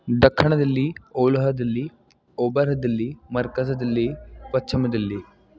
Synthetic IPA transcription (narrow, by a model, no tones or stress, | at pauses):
d̪ɐkʰːɐɳɐd̪ilːioːlɐɦɐd̪ilːiː | oːbɐɾɦɐd̪ilːimɐɾkɐsɐd̪ilːipɐtːt͡ʃʰimɐd̪ilːi